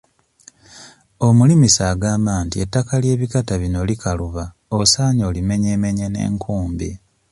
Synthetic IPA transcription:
omulimisaːɡaːmbaːntie̞tːakalje̞ːβikataβino̞likʰaluβa | osaːɲo̞ːlime̞ɲe̞ːme̞ɲene̞̰ːŋkʰuːmbḭ

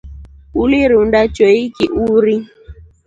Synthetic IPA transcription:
uliɾundat͡ʃoikiʔuɾi

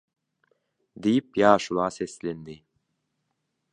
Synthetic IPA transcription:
d̪ijipjɑːʃulˠɑːseslend̪i

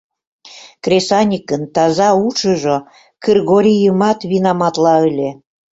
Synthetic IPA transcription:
krʲesɑnʲikənt̪ɑzɑut͡ʃəʒo | kərɣoɾʲijəmɑt̪βinɑmɑt̪lɑəlʲe

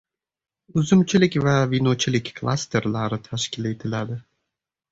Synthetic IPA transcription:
uzumt͡ʃʰilʲikʲvɛvinot͡ʃʰilʲikʲklˠa̰st̪ʰeɾlˠaɾɯt̪ʰæʃcʲilʲet̪ʰilʲæd̪ɪ

